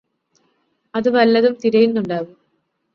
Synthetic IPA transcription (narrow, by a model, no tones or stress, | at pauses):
ɐðɨʋɐlːɐðumt̪iɾɐjinːuɳɖaːʋɨ